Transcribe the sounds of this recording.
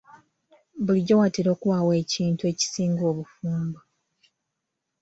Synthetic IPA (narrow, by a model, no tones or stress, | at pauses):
buliɟːowatiɾo̞ːkuwaːwe̞ːciːntue̞ːci̥siːŋɡo̞ːβufuːmba